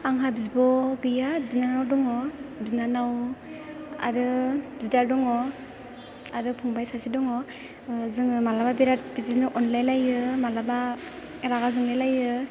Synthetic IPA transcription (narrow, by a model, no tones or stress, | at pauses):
aŋɦabizbɔɡɯjabinanawdɔŋɔbinanaw | a̰ɾɯbidaɾdɔŋɔ | aɾɯpʰuŋbajsasidɔŋɔ | zɯŋmalababiɾat̚bitiznɔʔɔnlajlajɯmalaba | ɾaɡazɯŋlajlajɯ